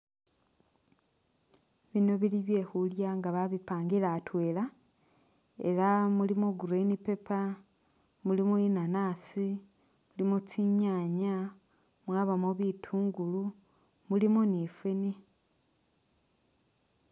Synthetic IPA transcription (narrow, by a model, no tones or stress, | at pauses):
βino̞βiliβje̞ːxuljaŋɡaβaβipaːŋɡilatwe̞ːla | e̞̰lamulimoɡuɾenipe̞pa | mulimoinanaːsi | mulimot͡siɲaɲa | mwaːβamoβitʰuːŋɡulu | mulimonifeni